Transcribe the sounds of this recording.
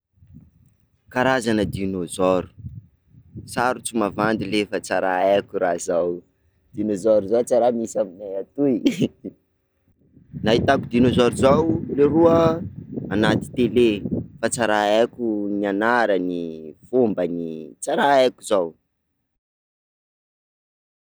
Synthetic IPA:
kaɾazanəd̪inozɔɾu̥ | saɾut͡sumavand̪ilefət͡saɾaakʲuɾazaw | d̪̥inozɔɾuzot͡saɾamisaminajat̪uj | nait̪akud̪inozɔɾuzawleɾuə | anat̪i̥t̪elefat͡saɾaakʲunianaɾənifumbənit͡saɾaakʲuzaw

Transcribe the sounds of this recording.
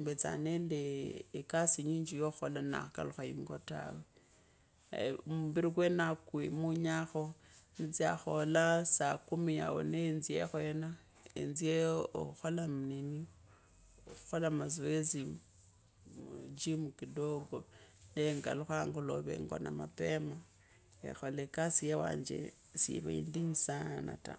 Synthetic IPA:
mbet͡sa̰nendeːkasiɲiɲd͡ʒijoxolana̰xaka̰luxajiŋɡota̰we | muβiɾikwenakimuɲaxonit͡siaxolasakumija̰wo̰nenziḛxoena | ḛnzieo̰uxolamnini | oxuxolamazoezi | d͡ʒimukidoɡoneŋɡa̰luxaŋɡoloβḛŋɡo̰namapema | ḛxolekasijewa̰ːɲd͡ʒḛ | sḭβaḭndiɲisana̰ta̰

